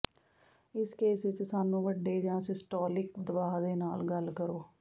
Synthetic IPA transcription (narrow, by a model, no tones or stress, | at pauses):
ɪskeːsɪt͡ʃsaːnũːʋəɖːeːd͡ʒãːsɪsʈɔːlɪkd̪əbaːɦd̪eːnaːlɡəlkəɾoː